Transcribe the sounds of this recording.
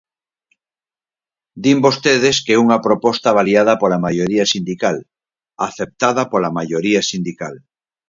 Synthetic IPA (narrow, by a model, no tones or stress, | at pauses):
d̪imbost̪eð̞eskeuŋapɾopost̪aβ̞aljað̞apolamajoɾiasind̪ikal | aθep̚t̪aðapolamaʝoɾiasind̪ika̰l